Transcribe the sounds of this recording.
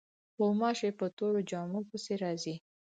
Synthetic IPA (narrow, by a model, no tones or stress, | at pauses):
omɑʃepət̪oɾod͡ʒɑmukəseɾɑzi